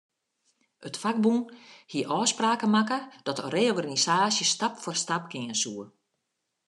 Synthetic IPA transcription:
ətfak̚bunhiəʔɔːspraːkəmakəd̥ɔtəreːɔɡanisaːsjəstapfɔrstap̚kɪŋənsuə

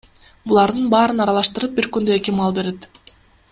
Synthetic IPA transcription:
bulˠɑɾd̪ɯnbɑːɾɯnɑɾɑlˠɑʃt̪ɯɾɯp̚biɾkynd̪øe̞kimɑlˠbe̞ɾet̪

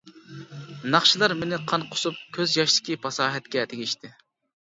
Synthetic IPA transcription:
nɑχʃilˠɑɾmɪnɪqʰɑnqʰʊ̥sup̚kʲʰøzjɑʃlˠɪ̥kʲipʰɑsɑːɦɛt̪̚kʲɛt̪ʰeɡʲiʃt̪ʰɪ

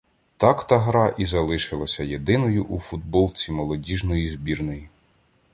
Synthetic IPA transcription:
t̪ɑkt̪ɐɦɾɑʔizɐlˠɪʃɪlˠɐsʲɐjed̪ɪnɔjʊʔufud̪̚bɔlˠt͡sʲimɔlˠɔdʲiʒnɔjizʲbʲirnɔji

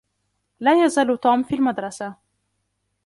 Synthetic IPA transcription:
laːjazaːlt̪uːmfiːlmad̪ɾˤɑsa

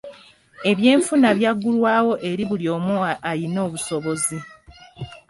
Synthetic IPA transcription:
e̞βje̞ːɱfunaβjaɡːulwaːwo̞ʔe̞ɾiβuljo̞ːmuajino̞ːβuso̞βo̞zi

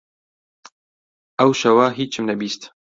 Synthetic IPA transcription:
ɐwʃɐwaɦiːt͡ʃʰːɨmnɐbiːst̪

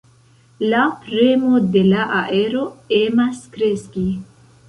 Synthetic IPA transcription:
lapɾemo̞de̞laʔaʔe̞ɾo̞emaskɾe̞ski

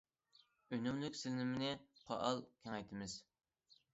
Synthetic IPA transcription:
ønymlykʲsɪlnɪmɪnɪqʰɑ̰ʔɑlˠkʲʰɛŋɛjt̪ʰɪmɪz̥

